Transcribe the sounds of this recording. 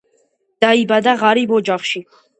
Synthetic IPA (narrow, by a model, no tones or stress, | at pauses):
d̪̥aibad̪aʁaɾibɔd͡ʒaχʃi